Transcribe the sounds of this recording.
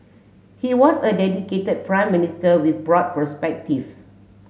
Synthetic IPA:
hiwɔsədɛdiketəd̚pɹãɪ̃mːinistəwiθbɹɔd̚pəspɛk̚tiv

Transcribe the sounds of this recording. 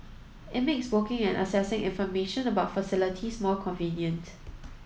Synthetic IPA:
ɪt̚mekswokɪ̃ŋɛ̃nʔə̰sɛsɪ̃ŋɪ̰̃nfɔmeʃə̃nəbaʊtfəsɪlɪtʰismɔkʰɔ̃nvĩnjə̃nt

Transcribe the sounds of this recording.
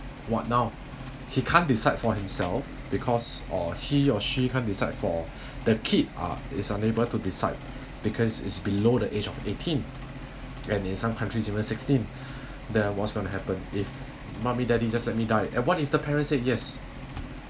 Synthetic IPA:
wɔt̚naʊ | hikʰãndisaɪdfɔhĩmsɛ̰lf | b̥ikʰɔsɔhiɔʃikʰãndisaɪdfɔ | dəkʰida̰ɪsãnebəltudisa̰ɪd̚ | b̥ikʰɔsɪ̰tsbilodəʔed͡ʒɔfetʰĩn | ɛ̃nĩnsãmkʰãntɹisivə̃nsɪkstĩn | dɛ̃nwɔtsɡõnuɦɛpə̃nif | mãmidɛdid͡ʒaslɛt̚midaɪʔɛ̰̃nwɔtifdəpʰɛɹə̃ntset̚jɛs

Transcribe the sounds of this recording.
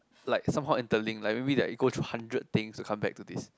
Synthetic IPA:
laɪksãmɦaʊĩntəlĩŋlaɪk̚mebidɛ̰tiɡotʰɹuhãndɹəd̚t̪ɪ̃ŋstukʰãmbɛ̰k̚tudis

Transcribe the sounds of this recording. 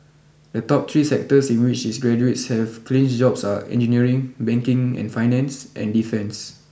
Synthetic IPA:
dətɔp̚t̪ʰɹiːsɛk̚təsĩnwɪt͡ʃdisɡɹɛd͡ʒuetshɛvklɪ̃nsd͡ʒɔbsaɛ̰̃nd͡ʒəniəɹɪ̃ŋbɛ̃ŋkɪ̃ŋɛ̰̃nfajnɛ̃nsʔɛ̰̃ndifɛ̃ns

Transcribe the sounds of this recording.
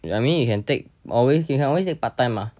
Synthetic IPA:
amĩnjukʰɛ̃nt̪ek̚ɔlweskkɛ̃nɔwest̪ek̚pat̪ãjmah

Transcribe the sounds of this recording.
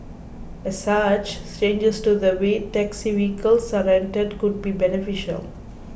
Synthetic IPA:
ɛ̥sat͡ʃt͡ʃẽːnd͡ʒəsʈud̪əʋeːʈɛksiʋiːkəlsəɾɛ̃ɳʈəɖkʊɖ̚bibɛnɪfɪʃə̰l

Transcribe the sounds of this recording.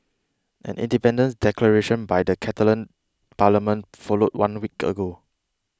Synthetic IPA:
ʔɛ̰̃nḭ̃ndipɛ̃ndə̃nsdɛkləɹeʃə̃nbajdəkʰɛtələ̃n | paləmə̃n | fɔlot̚wãnwikə̰ɡo

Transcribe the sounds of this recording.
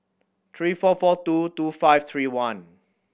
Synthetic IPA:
t̪ʰɹiːfɔfɔtutufaɪft̪ʰɹiːwãn

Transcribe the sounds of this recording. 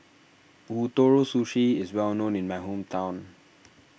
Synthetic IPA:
uːt̪oːɹosuʃiɪzwɛlnõːnɪ̃nmaɪɦõːmt̪ʰãʊ̃n

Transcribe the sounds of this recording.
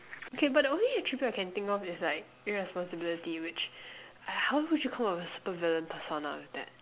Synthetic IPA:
okʰebat̚diõnliətɹ̥ibjuaɪkɛ̃nθɪ̃ŋkɔfɪslaɪk̚jəɹɛspɔ̃nsəbɪlɪtiwɪt͡ʃ | ahaʊwʊd͡ʒukʰãmɔfəsu̥pəvɛlə̃npʰəsona̰wɪθd̪ɛ̰t̚

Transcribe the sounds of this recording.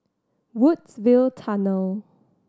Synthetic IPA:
wudsvɪlˠtʰanəlˠ

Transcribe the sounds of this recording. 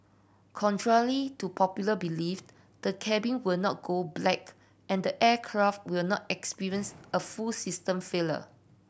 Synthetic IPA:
kʰɔ̃ntʰɹaɹitupʰɔpjuləbilif | d̥əkʰɛbĩnwɪlnɔt̚ɡ̥oblɛk | ʔɛ̃ndəʔɛkʰɹaft̚wilnɔtɛkspiɹiə̃nsəfulsistə̃mfelə̰

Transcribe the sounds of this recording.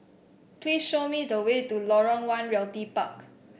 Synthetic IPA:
plisʃomidəwetulɔɹɔ̃ŋwãnɹɛltipa̰k

